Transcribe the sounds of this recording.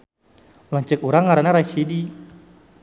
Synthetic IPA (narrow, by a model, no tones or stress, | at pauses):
laɲt͡ʃək̚uɾaŋkaɾənaɾaiʃidi